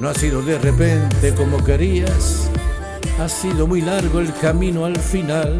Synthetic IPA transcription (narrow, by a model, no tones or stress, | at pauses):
nõasiðoðerepent̪ekomokeɾias | asiðomujlaɾɣoelkamĩnoalfinal